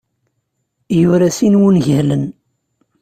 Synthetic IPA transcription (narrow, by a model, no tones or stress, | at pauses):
jʊɾasinwunʝəhlən